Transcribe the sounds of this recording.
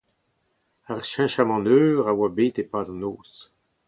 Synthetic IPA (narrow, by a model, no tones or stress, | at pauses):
aʁʃɛ̃ʃamɑ̃nøːʁawabeːt̪epad̪ɑ̃noːs